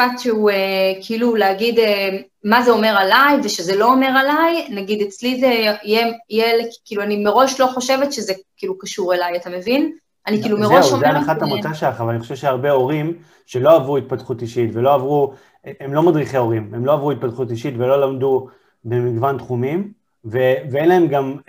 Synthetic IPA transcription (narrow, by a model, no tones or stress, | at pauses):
fatʃeuekʰiiluleaɡid̪e | mazeo̞me̞ʁalajveʃe̞zelo̞ome̞ʁalajnaɡidet͡slizejejelkkiːluanimeʁo̞ʃlo̞χo̞ʃe̞vetʃe̞zekiːlukaʃuʁelajatame̞vin | anikiːlumeʁoomdanaχaamutaʃaχavalaniχoʃevʃeaʁbe̞o̞ʁim | ʃe̞lo̞avʁuit̪̚pat̪χut̪iʃitvelo̞avʁu | emlo̞madʁiχeo̞ʁimemlo̞avʁuit̪̚pat̪χut̪iʃit̪velo̞lamdu | bemiɡvant̪χumim | veveenlaemɡam